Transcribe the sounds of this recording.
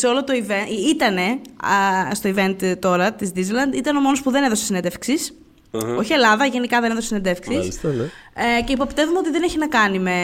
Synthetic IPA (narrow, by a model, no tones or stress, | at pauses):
seo̞lot̪oiveit̪ɐne̞ | st̪oive̞nt̪t̪o̞ɾɐt̪izd̪izlɐnd̪it̪ɐneo̞mo̞nospuðe̞neðo̞sesined̪efksis | o̞çie̞lɐðɐʝe̞nikɐðe̞ne̞ðossined̪efksiist̪ɐce̞ipo̞pt̪e̞vumeo̞t̪iðene̞çinɐkɐnime̞